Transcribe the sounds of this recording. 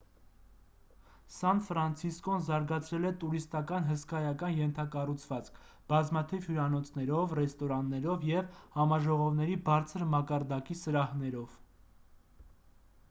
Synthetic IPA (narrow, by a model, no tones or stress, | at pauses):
sɑnfɾɑnt͡sʰiskɔnzɑɾɡɑt͡sʰɾɛlɛt̪uɾist̪ɑkɑnɦəskɑjɑkɑnjɛnt̪ʰɑkɑrut͡sʰvɑt͡skʰ | b̥ɑzmɑt̪ʰivhjuɾɑnɔt͡sʰnɛɾɔvrɛst̪ɔɾɑnːɛɾɔvjɛvhɑmɑʒɔʁɔvnɛɾibɑɾt͡sʰəɾmɑkɑɾd̪ɑkisəɾɑhnɛɾɔv